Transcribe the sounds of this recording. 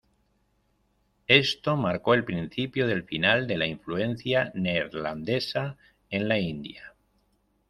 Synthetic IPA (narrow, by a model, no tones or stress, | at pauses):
e̞st̪o̞maɾko̞e̞lpɾin̟θipjoðe̞lfinald̪e̞laiɱflue̞n̟θjaneɾland̪e̞sa | e̞nlaind̪ja